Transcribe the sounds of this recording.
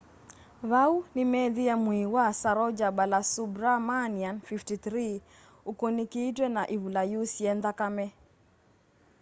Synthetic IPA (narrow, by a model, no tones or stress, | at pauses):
βaunimɛðijamwiwasaɾɔd͡ʒaɓalasubɾamanianfiftiθɾi | ukonikiːtwɛnaʔiβulajusiɛndakamɛ